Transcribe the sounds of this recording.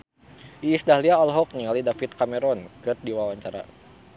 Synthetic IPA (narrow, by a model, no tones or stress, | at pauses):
ʔiːsdaɦliaɔlɦɔk̚nialidafit̪̚kamɛɾɔnkɨrdiwawaɲt͡ʃaɾa̰